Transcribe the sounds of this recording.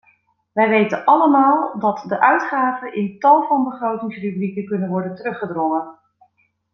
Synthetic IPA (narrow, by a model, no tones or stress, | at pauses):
ʋɛjʋejtənʔɑləmaːlˠdɑtdəʔœɥtχaːvənʔɪntɑlˠvɑnbəχrowtɪŋsrybrikəkɵnənʋɔɹdəntərɵχədrɔŋən